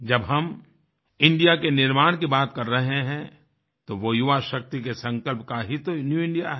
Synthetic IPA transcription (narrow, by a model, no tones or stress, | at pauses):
d͡ʒɐbɦɐm | ɪ̃ɳɖijakenɪɾmaːɽ̃kibaːt̪kɐɾːɐɦeɦɛ̃ | t̪oʋojʊʋaʃɐk̚t̪ikesɐ̃ŋkəlpkaɦit̪onjuːɪ̃ɳɖijaɦɛ